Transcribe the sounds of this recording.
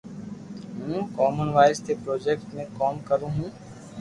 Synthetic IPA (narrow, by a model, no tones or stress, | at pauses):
ɦũkɔːmənʋaːɪst̪epɾoːd͡ʒeːkʈmẽkɔːmkəɾũːɦũː